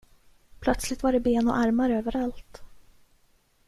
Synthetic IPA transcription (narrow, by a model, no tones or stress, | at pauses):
pʰlœt̪slɪt̪vaɖɛbeːnɔ̰ʔaɾmaɾøːvəɾalt̪